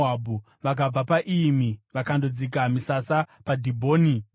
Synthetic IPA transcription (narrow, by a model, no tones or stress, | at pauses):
abʱu | ʋakab͡vapaʔimiʋakandod͡zik̬amisasapadʱibʱoːni